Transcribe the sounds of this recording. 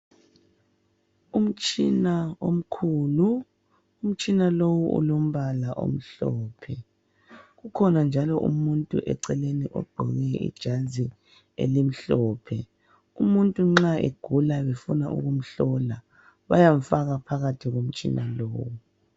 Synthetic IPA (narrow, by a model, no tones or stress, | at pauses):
um̩t͡ʃʼinaom̩kʰuːluː | m̩t͡ʃʼinalowuʔṵlom̩βalaʔo̰m̩ɬɔːpʰɛ | ɣukʰɔnand͡ʒʱalɔʔumuntʼṵʔɛ̰ǀɛleniʔɔ̰ɡ͡ǃ̥ʱɔɣɛḭd̥ʒ̥ʱazi | ḛlim̩ɬɔːpʰɛ | umuntʼuŋ͡ǁaʔḛɡ̥ʱulaβefuna̰ʔṵɣum̩ɬɔla | βa̰jaɱfaɣapʰaɣatʰiɣom̩t͡ʃʼḭnʔaloːwu